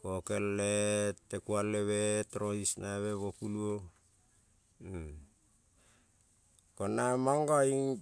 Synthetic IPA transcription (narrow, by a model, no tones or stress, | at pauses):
kokelːetːekualːeβetɾohisnaβeβokuluo | konamaŋɡai